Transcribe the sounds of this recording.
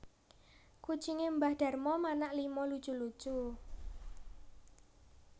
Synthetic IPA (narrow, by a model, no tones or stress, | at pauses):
ku̥t͡ʃiŋembahd̥a̤rmɔmanaʔlimɔlud̥d͡ʒ̥ṳlu̥ʒ̥u